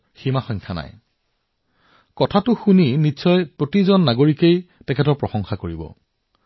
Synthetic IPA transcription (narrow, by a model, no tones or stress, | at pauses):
ximaxɔɲŋkʰana̰j | kɔtʰatʊxuninitːsɔjpɹotizɔnːaɡoɹikejtɛkʰɛtɔɹpɹɔsɔŋxakoɹibɔ̰